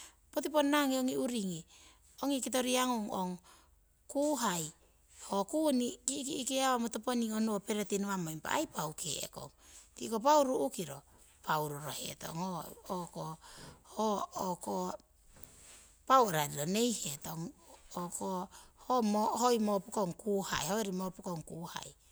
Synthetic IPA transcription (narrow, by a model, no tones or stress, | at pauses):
pot̬iponːaŋioŋiuɾiŋi | oŋikit̬o̞ɾiaŋoŋo̰ŋ | kuɦaj | hokunikikikiaβamotoponionuope̞ɾetinuamojmpa̰a̰jpawkʰḛḛko̰ŋtḭkop̬awɾuʔukiɾo̞ | pawɾuɾohḛto̰ŋookohooko | paweɾaɾilone̞jhetoŋokohomohojmopukoŋkuha̰jhoeɾimopukoŋkuha̰j